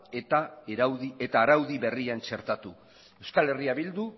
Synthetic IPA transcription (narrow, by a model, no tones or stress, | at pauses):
et̪aeɾawðie̞t̪aːɾawðiβe̞riant͡ʃe̞ɾt̪at̪u | ewskale̞riaβild̪u